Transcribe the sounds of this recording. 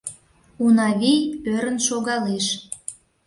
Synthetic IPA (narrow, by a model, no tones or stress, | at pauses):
unɑβijøɾə̆nʃoɣɑleʃ